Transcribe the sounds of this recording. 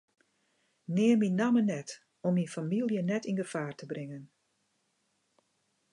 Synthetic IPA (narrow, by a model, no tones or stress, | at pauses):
nɪːminamənɛt | ɔminfamilˠjənɛtinɡəv̥aːrtəbrɪŋən